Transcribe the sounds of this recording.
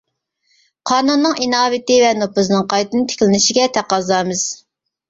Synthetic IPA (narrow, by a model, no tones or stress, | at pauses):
qʰɑːnunːɨŋinɑːvɪt̪ɪvɛnopɨznɨŋqɑjt̪ɨnɨt̪ʰe̥kʲlɪnɪʃiɡʲɛt̪ʰæqɑzɑːmɨz̥